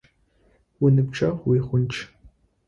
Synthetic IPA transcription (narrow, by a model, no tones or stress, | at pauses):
wʊnɨpʈ͡ʂʰʼɐʁwiːχʷʊnt͡ʃʰ